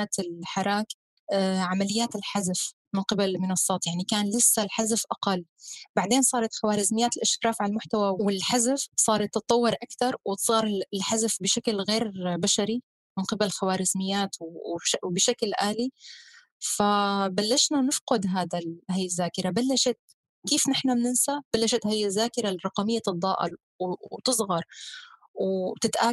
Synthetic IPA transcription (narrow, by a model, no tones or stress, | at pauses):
aːt̪ɪlħɑɾˤɑːk | ʕamalɪjːaːt̪ɪlħazaf | mɪnqɪballmɪnɑsˤːɑːt̪ˤjaʕnikaːnlɪsːalħazafʔɑqɑlːbaʕd̪eːnsˤɑːɾˤɑt̪xawaːɾɪzmɪjːaːt̪ɪlʔaʃkɾˤɑːfʕalalmʊħt̪awawwɪlħazafsˤɑːɾˤɑt̪ːɨt̪ˤːɑwːɪɾʔakt̪ɑɾˤwɪt̪sˤɑːɾˤɪɪlħazafbɪʃaklɣeːɾbaʃaɾi | mɪnqɪballxawaːɾɪzmɪjːaːt̪wʃbɪʃaklʔaːli | fabalːaʃnanɪfqʊd̪ɦaːd̪alhajːɪzːaːkɪɾabalːaʃat̪̚ | kiːfnɪħnamnɪnsab̥alːaʃat̪hajɪzːaːkɪɾarˤɑqɑmɪjːat̪ɨd̪ˤːɑːʔɪ̰l | wt̪ɨsˤɣɑɾˤ | wt̪ɪt̪ʔaː